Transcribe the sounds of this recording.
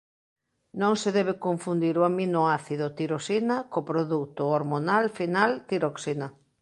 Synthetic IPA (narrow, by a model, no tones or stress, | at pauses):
nõŋseðɛβ̞ekoɱfund̪iɾʊaminʊaθiðʊt̪iɾosinakopɾoðut̪ʊoɾmonalfinalt̪iɾoksinɐ